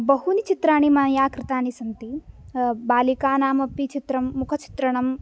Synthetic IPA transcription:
bɐɦunit͡ʃit̪ɾaːɳimanjaːkɾɪt̪aːnisɐnt̪i | baːlikaːnaːmɐpit͡ʃit̪ɾɐmːukʰɐt͡ʃi̥t̪ɾɐɳɐm

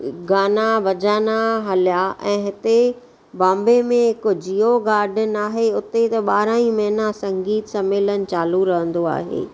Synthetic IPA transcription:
ɡaːnabɐd͡ʑaːnaɦɐlijaʔɛ̃ːɦɪt̪e | bãːmbemẽɪkd͡ʑioɡaːɾɖənɪaːɦeʊt̪et̪ɐɓaːɾaːĩmɐɦɪnasɐ̃ŋɡiːt̪sɐmeːlənɪ̆t͡ɕaːluɾɐɦə̃nd̪oa̰ːɦḛː

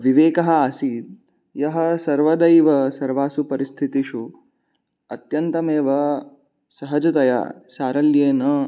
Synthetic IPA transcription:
ʋiʋeːkɐɦɐaːsiːd̪̚ | jɐɦɐsɐɾʋɐd̪ɐjʋɐsɐɾʋaːsupɐɾist̪ʰit̪iʃu | ɐt̪jɐnt̪ɐmeːʋɐ | sɐɦɐd͡ʒɐt̪ɐja̰saːɾɐljeːnɐ

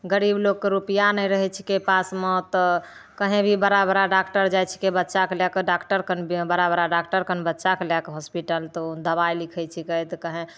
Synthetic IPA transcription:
ɡəɾibloɡ̚keɾupəjanəjɾəɦɛt͡ʃʰi̥kepasmɔt̪ɔ | kəɦẽbʱibəɾabəɾaɖakʈəɾd͡ʒajt͡ʃʰi̥kebətːʃakelakeɖakʈəɾkənbəɾabəɾaɖakʈəɾkəɦbətːʃakelakeɦɔspiʈəlt̪ɔd̪əbajlikʰɛjt͡ʃʰikəjt̪kəɦẽ

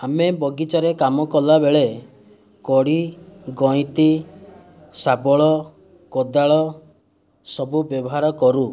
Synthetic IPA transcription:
amebɔɡit͡ʃaɾekamɔkɔlabeɭe | kɔɽiɡɔ̃ĩt̪i | sabɔɭɔ | kɔd̪aɭɔ | sɔbubjɔbɔɦaɾɔkɔɾu

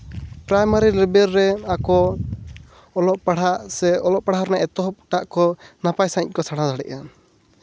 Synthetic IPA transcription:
pɾajmaɾilibɛɾːɛakɔ | lɔʔpaɽ̤aʔsɛɔlɔʔpaɽ̤aɔɾnaʔɛt̪ɔɦɔp̚ʈaʔkɔnapajsakɔsaɽ̤̃ãdaɽɛ̰ʔa

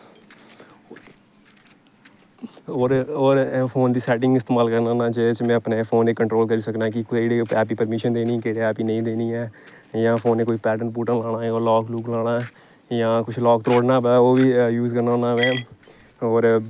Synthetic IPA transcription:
ɦoːɾoːɾpʰoːnd̪iːsɛːʈɪ̃ŋɡɪst̪eːmaːlkəɾnaːnãːd͡ʒet͡ʃmɛ̃ːəpneːpʰoːneːkəɳʈɾoːlkəɾiːsəknaːkɪkːɽeːɛːp̬iːpəɾmɪʃənd̪eːnĩːkeːɽeːɛːpiːnə̃ĩːd̪eːniːɛː | jãːpʰoːneːkoːiːpɛːʈəɳʈ̚buːʈəlaːɽ̃aːãoːlɔːkluːklaːɽaː | jãːkʊt͡ʃʰlɔːk̚t̪ɾoːɖnaːbɛːoːʋiːjuːzkəɾnaːonaːʋɛː | oːɾ

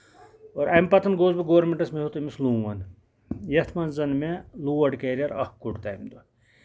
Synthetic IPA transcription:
oːɾʔɐjmpɐt̪ʰɐnɡoːzbɐɡoːʋɾmeɳʈɐsmeɦot̪ɐmisluːʋɐn | jɐt̪ʰmɐnzɐnmeluːʋɐɖkeːɾiɐɾɐ̰hkːuɽt̪ɐjmd̪ɐ

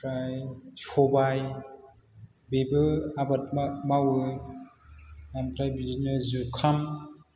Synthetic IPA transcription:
pɾajsɔbaj | bebɯabat̚mawɯ | amtɾajbid͡ʒinɯzuɾkʰam

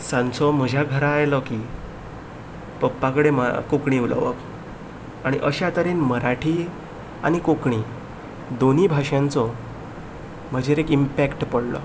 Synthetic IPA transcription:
sãnt͡sɔm̤əd͡ʑʱjaɡʱəɾaːjlɔki | pəpːãkəɽeməkokɳiulə̰ʋə̰k | aɽ̃iʔəɕat̪əɾenməɾaʈʰiː | a̰ɽ̃ikokɳi | d̪oniːbʱaʂjãnt͡sɔ | m̤əd͡ʑʱeɾekimpækʈpəɽlɔ̰

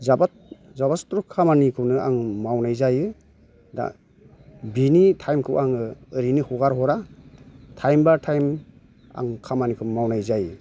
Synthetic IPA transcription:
zaba | zabastɾɔkʰːamanikʰɯwnɯaŋmawnajzajɯ | da̰ | binitʰajmkʰɯwʔaŋɯɯɾinihɔɡaɾhɔɾa | tʰajmbaɾtʰajm | a̰ŋkʰamanikʰɯwmawnajzajɯ

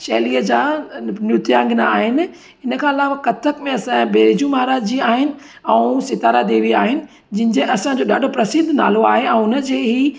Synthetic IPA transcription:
ʃɛːliəd͡ʑaːnʊt̪jãːŋɡnaaːɦɪnɪ̆ | ɪnəkʰãːɐlaːʋakɐt̪ʰəkmẽɐsãbeːɾɪd͡ʑũmaɦaɾaːd͡ʑd͡ʑiaːɦɪnɪ̆ | ɛ̃ːsɪt̪aːɾad̪eːʋia̰ːɦɪnɪ̆ | d͡ʑɪ̃ɦɪ̃ɲd͡ʑeʔɐsãɲd͡ʑoːɗa̰ːɖʱopɾɐsɪ̃nd̪ʱna̰ːloaːɦeɛ̃ʊnə̆d͡ʑeːɦi

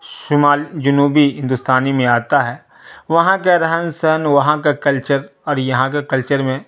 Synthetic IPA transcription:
ʃʊmaːlid͡ʒʊnuːbiɦɪ̃nd̪ʊst̪aːnimẽaːt̪aɦɛː | ʋɐɦãkaɾɐɦənsɛɦənʋɐɦãkakɐlt͡ʃəɾɔːɾjɐɦãkakɐlt͡ʃəɾmẽ

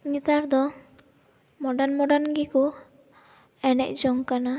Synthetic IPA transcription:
ɲit̪aɾd̪ɔ | mɔɖanmɔɖanɡiku | ɛnɛ̰c̚ˀd͡ʒɔŋkana

